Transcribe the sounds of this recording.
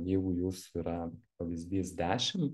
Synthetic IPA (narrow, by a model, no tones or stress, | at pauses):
jɛɪɡʊjuːsiɾɐpɐʋʲizʲd̪ʲiːsd̪ʲæːʃʲɪm